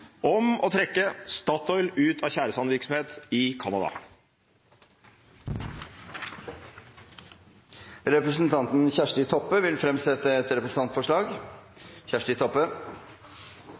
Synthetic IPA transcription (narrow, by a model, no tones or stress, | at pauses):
ʔɔmɔt̪ʰɾɛkːəst̪ɑːt̪ɔʏlʉːt̪ʰɑçæːɾəsɑməʋɪɾksɔm̩heːt̪ɪkʰɑnɑd̪ɑ̰ | ɾɛpɾəsənt̪ʰɑnt̪n̩çæʂʈɪt̪ʰɔpːəʋɪlfɾɛmsɛt̪əɛt̪ɾɛpɾəsən̩ɑnt̪fɔʂɭɑːɡ | çæʂʈɪt̪ʰɔpːə